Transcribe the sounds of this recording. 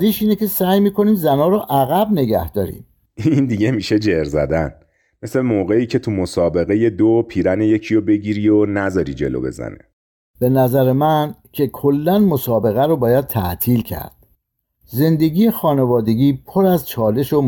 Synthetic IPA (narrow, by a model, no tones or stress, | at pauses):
d̪iːʃiːne̞cʰe̞sæːjmiːkʰo̞niːmzænɒːɾɔʔæɣæbne̞ɡæ̰hd̪̥ɒːɾḭːm | ind̪iɟemiʃed͡ʒeɾzæ̰d̪æn | meslemoːɣeiːcʰet̪ʰumosɒːbe̞ɣe̞jed̪opʰiːɾænejecʰijobe̞ɟiːɾiːonæzɒːɾid͡ʒḛlo̰be̞̰zæ̰nḛ | b̥e̞næzæɾe̞mæncʰe̞kʰolːænmosɒːbe̞ɣæɾɔbɒːjæd̪̚t̪ʰæ̰ʔt̪ʰiːlcʰæ̰ɾd̪̥ | ze̞nd̪e̞ɡiːjexɒːne̞vɒːd̪e̞ɡiːpʰoɾæzt͡ʃʰɒːle̞ʃo